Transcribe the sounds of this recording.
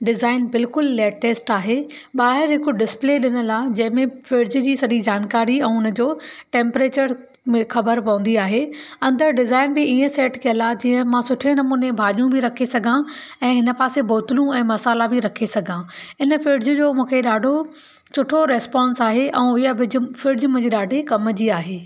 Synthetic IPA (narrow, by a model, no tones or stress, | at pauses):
ɖɪzaːɪnbɪlkʊlːeːʈːeːsʈaːɦeː | ɓaːɦɪɾɦɪkoɖɪspleɗɪnəlaːd͡ʑɐ̃ɦɪ̃mẽfɪɖd͡ʑd͡ʑiːsɐɗid͡ʑaːnkaːɾiɛ̃ːʊnə̆d͡ʑoːʈẽːmpɾeːt͡ɕəɾ | mxɐbəɾpɐ̃ʋə̃n̆d̪iaːɦeːɐ̃nd̪əɾɖɪzaːɪnbɪiːə̃seːʈkɐjəlaːd͡ʑiːə̃mãsʊʈʰenɐmuːnebʱaːʄjũbʱɪɾɐkʰesɐɡʱã | ɛ̃ːɦɪnəpaːseboːt̪ɪlũɛ̃ːmɐsaːlabɪɾɐkʰesɐɡʱãɪnəfɪɖd͡ʑd͡ʑoːmũːkʰeɗaːɖʱo | t͡ɕʰʊʈʰoɾɛːspãːnsaːɦeʔɛ̃ːɪɦaʋɪd͡ʑʱʊfɪɖd͡ʑmə̃d͡ʑiɗaːɖʱekɐmd͡ʑiaːɦeː